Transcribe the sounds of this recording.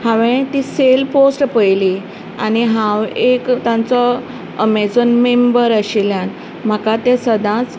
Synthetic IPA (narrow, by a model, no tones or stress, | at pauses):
hãʋẽt̪iselposʈpəjli | aniɦãwekt̪ãnt͡sɔ | əmed͡zənmembəɾəɕiljãn | m̤akat̪ẽsəd̪ãt͡s